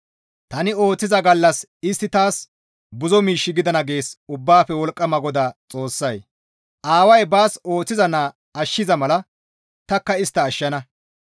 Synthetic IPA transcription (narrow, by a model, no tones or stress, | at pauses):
t̪ɐnɪo̞ːt͡sːɪzɐɡɐlːɐs | ɪst̪ːɪt̪aːs | bʊzɔmiːʃːɪɡɪd̪ɐnɐɡe̞ːsʊbːaːfɛwɔlkʼːɐmɐɡɔd̪at͡sʼo̞ːsːɐj | ʔaːwɐjbaːso̞ːt͡sːɪzɐnaː | ɐʃːɪzɐmɐlɐ | t̪ɐkːɐɪst̪ːɐːʃːɐnɐ